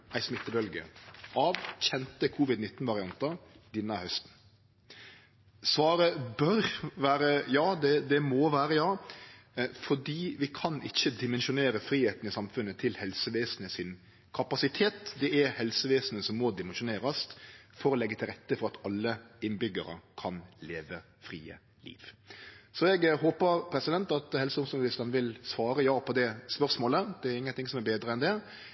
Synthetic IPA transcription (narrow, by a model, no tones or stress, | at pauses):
æɪsmɪt̪ːəbœlɡə̰ʔɑːʋçɛnt̪əkʰuːʋɪd̪nɪt̪ːnʋɑɾɪɑnt̪ɑɾd̪ɪnːɑhœst̪n̩ | sʋɑːɾəbœɾʋæːɾəjɑːd̪ɛd̪ɛmoːʋæːɾəjɑː | fɔɖiːʋɪkʰɑnɪçːəd̪ɪmɛnʃʊneːɾəfɾiːheːt̪n̩ɪsɑmfʉnːət̪ʰɪlhɛlsəʋeːsn̩əsɪn | kʰɑpɑsɪt̪ʰeːt̪d̪ɛɛɾhɛlsəʋeːsn̩əsɔmːɔd̪ɪmɛnʂʊneːɾɑsfɔɾɔlɛɡːət̪ʰɪlɾɛt̪ːəfɔɾɑt̪ɑlːəɪnbʏɡəɾə̰kʰɑnleːʋə | fɾḭːə̰ | lḭːʋsɔɛɡɦoːpəɾpʰɾɛsɪd̪ɛnt̪ɑt̪hɛlsəʊmsʊlɪst̪ɑnʋɪlsʋɑːɾəjɑːpʰɔd̪ɛspœɾsmoːləd̪̥ɛæɾɪŋːənt̪ɪŋsɔmɛɾbeːd̪ɾəɛnd̪ɛ